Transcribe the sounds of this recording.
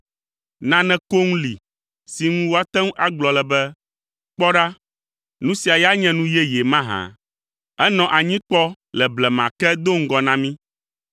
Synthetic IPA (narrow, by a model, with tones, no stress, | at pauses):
nã˦nɛ̃˨ko˦ŋ̃˦li˨ | si˨ŋũ˦wo˦a˦t̪ɛ̃˦ŋ˦ʔa˦ɡ͡blɔ˨lɛ˨bɛ˦ | k͡pɔ˦ɖa˦ | nũ˦si˨a˨ja˦ɲɛ̃˦nũ˦jɛ˦jɛ˨mã˦ɦã̰˨ | ɛ˦nɔ̃˨ʔa˨ɲĩ˦k͡pɔ˦ | lɛ˨blɛ˨mã˨kɛ˦d̪o˦ŋ̩˦ɡɔ˨nã˦mĩ˦